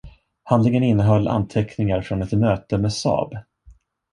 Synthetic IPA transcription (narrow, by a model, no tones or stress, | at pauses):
hand̪lɪŋənɪnːəɦœlːʔa̰nt̪ʰɛknɪŋaɾfɾɔnɛt̪møːt̪əmeːsɑ̰ːb